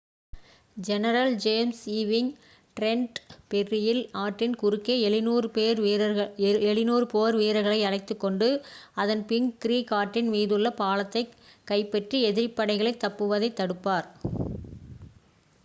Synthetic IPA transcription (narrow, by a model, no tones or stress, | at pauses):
d͡ʒɛnɐɾɐld͡ʒeːmsiːʋɪŋ | ʈɾɛɳʈpɛrːɪjɪlaːʈrɪnkʊɾɯkːeɛɪnuːɾɯpeːɾɐɛɭɪnuːɾɯpoːɾʋeːɾɐɣɐɭɐɪɐɭɐɪt̪ːɯkːɔɳɖɯɐðɐnpɪŋkɪɾiːkaːʈːɪnmiːðɯɭːɐpaːlɐt̪ːɐɪkːɐɪpːɛʈriɛðɪɾɪpːɐɽɐɪɣɐɭɐɪt̪ːɐpːɯʋɐðɐɪt̪ːɐɽɯpːaːɾ